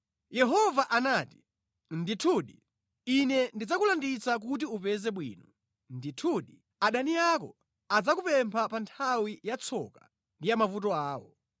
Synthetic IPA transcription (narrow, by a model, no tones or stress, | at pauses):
jɛɦɔvaʔanaːti̥ | nditʰuɗi | inɛndid͡zakulandit͡sak̬ut̬iupɛzɛɓwḭːnɔ | nditʰuɗi | aɗanijakɔ̰ | ad͡zakupɛmpʰapantʰawijat͡sʰɔ̰ka | ndijamavut̬ɔaːwɔ̰